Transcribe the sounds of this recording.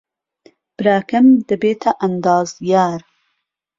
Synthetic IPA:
b̥ɾaːkamd̪əbet̪ʰaʔand̪ɑːzjaːɾ

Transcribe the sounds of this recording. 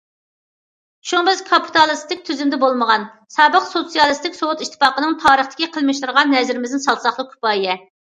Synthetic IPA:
ʃubɪzkʰɑpʰi̥t̪ʰɑlˠɨst̪ʰɪk̚ʲt̪ʰyzymd̪ɛbolˠməʁɑn | sɑːbəqsot̪sijɑlˠɨst̪ɪkʲsowut̪iʃt̪ʰːɪ̥pɑːqənɨŋt̪ʰɑːɾəχt̪ɪ̥kʲiqʰəlˠmɪʃt̪uɾʁɑnːɛzɪɾɪmɪzd̪ɪnsɑlˠt̪sɑχlˠəq̚kʰʲy̥pɑijɛ

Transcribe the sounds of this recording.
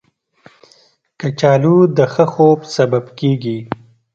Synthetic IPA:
kət͡ʃɑːlud̪əxəxobsɐbabkeɡi

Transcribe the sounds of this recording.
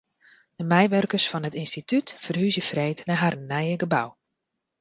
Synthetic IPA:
d̥əmɛjʋørkərsfɔnətɪnstitʰytfərhyzjəfrejtnaɦarənːɛjəɡəbaw

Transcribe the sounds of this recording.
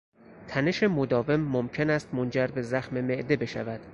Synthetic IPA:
t̪ʰæne̞ʃe̞mod̪ɒːve̞mːomcʰe̞næst̪mond͡ʒæɾbe̞zæxme̞me̞ʔd̪e̞be̞ʃæ̰væd̪̥

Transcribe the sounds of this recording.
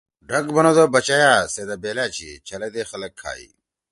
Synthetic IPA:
ɖʱɐkbɐnod̪obɐt͡ɕajaːsed̪ɐbeːlaːt͡ɕʰḭt͡ɕʰɐled̪eːxɐlɐkʰːa̰ːḭ

